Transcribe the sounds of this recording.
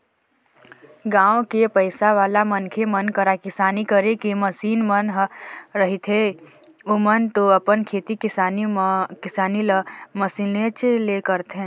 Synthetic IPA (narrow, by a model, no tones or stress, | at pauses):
ɡãːõkepəɪsaʋaːlamənkʰemənkəɾakɪsaːnikəɾekiməsiːnmənɦɾəɦit̪ʰɦe | omənt̪oəpənkʰeːt̪ikɪsanikɪsaːniləməsiːnlet͡ʃelekəɾt̪ɦẽː